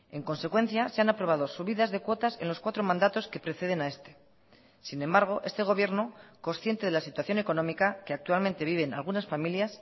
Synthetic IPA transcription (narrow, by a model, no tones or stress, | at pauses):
e̞ŋko̞nse̞kwe̞nθjaseanapɾo̞β̞að̞o̞suβiðazðe̞kwo̞t̪asẽ̞̰nlo̞skwat̪ɾo̞mãnd̪at̪o̞ske̞pɾe̞θe̞ðe̞nae̞st̪e̞̥ | sinẽ̞mbaɾɣ̞o̞ʔe̞st̪e̞ɣ̞o̞β̞je̞ɾno̞ko̞nsθje̞nt̪e̞ð̞elasit̪waθjo̞ne̞ko̞no̞mikake̞ak̚t̪ualment̪e̞βiβ̞e̞na̰lɣunasfamiljas